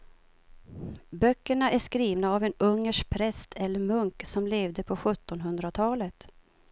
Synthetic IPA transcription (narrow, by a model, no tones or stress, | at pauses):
bœkːəɳaʔæʂkɾiːvnaːvɛnɵŋːəʂk̚pʰɾɛst̪ʰɛlːəɾmɵŋksɔmleːvd̪əpʰɔɧɵt̪ːɔnɦɵnd̪ɾat̪ʰɑːlət̪